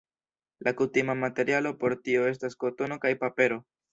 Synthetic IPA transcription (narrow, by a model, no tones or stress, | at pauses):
lʔakutimamate̞ɾialo̞po̞ɾtio̞e̞s̬tasko̞to̞no̞kajpape̞ɾo̞